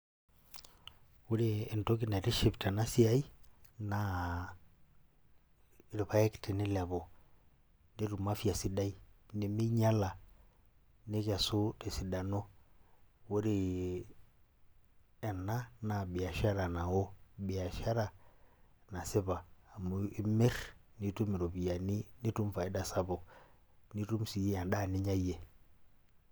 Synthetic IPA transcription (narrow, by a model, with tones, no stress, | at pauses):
wu˦ɾiː˦˨nto˦k̬i˦na˨ɾi˦ʃi˨pta˨na˦si˦a˦i˦na˨ | ɾi˨βa˨ɛ˦ktɛ˨ni˦lɛ˨βɔ˨ | di˦ɾu˨ma˦fi˦a˨si˨da˦i˨ni˨mi˦ɲa˦la˨ | ne˦ka˨su˦ti˨si˨da˨nɔ˦ | wo˦ɾi˦˨ | ɛ˨nːa˦na˨bɪ˨a˨ʃa˦ɾa˨na˨wo˦bɪ˨a˨ʃa˦ɾa˨ | na˨sɪ˦βaː˨mu˦i˦me˦ɾni˦tu˦mi˨ɾo˨bi˨ja˨ni˦ni˦tu˦mfa˨i˦da˦˨sa˦bo˨ | ni˦tu˦msi˨je˦a˨nda˦˨ni˦ɲa˦je˨